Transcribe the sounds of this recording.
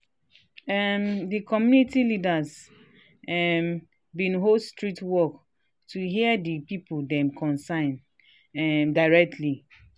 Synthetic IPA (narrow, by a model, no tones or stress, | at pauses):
ɛmdikʰɔmjunitilidaz | ɛm | bĩnɦostɹitwɔk | tʰuɦiɛdipipudɛ̃mkʰɔ̃nsãɪ̃n | ɛmdaɪɹɛk̚tʰli